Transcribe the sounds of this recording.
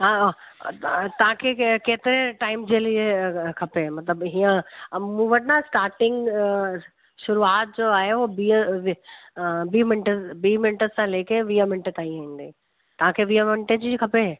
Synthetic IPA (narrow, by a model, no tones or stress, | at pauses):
ɦaː | t̪ɐʋ̤ãkʰeːkeːt̪ɪɾeʈaːɪmd͡ʑeːliekʰɐpemɐt̪ləbɦiːə̃mũːʋɐʈnãsʈaːɾʈɪ̃ŋɡ | ʃʊɾuaːt̪̚d͡ʑoːaːɦeoːbiəʋi | biːmɪnʈəbiːmɪnʈəsãleːkʰeʋiːəmɪnʈət̪aːĩaːĩːnd̪eː | t̪ɐʋãkʰeʋiːɦəmɪɳʈəd͡ʑiːkʰɐpe